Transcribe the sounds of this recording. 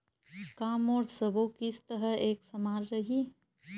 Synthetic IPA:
kaːmɔːɾsəbokist̪əɦəeːksəmaːɾɾɐɦi

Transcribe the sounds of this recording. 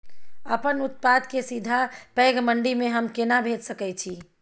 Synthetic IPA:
əpənut̪̚pad̪kesid̪ʱapɛɡməɳɖimẽɦəmkenabʱetsəkɛt͡ʃʰi

